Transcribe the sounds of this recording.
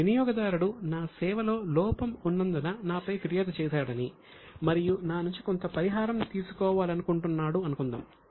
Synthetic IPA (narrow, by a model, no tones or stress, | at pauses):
ʋinijɔːɡɐd̪aːɾuɽunaːsɛːʋɐlo̞ːlɔːpɐmunːɐnd̪ɐnɐnaːpɐjpiɾijɐːd̪ɐt͡ʃɛːsaːɽɐni | mɐɾijunaːnuɲt͡ʃikont̪ɐpɐɾiɦaːɾɐmnit̪iːsu̥kɔːʋaːlɐnukuɳʈunːaːɽuɐnukund̪a̰ːm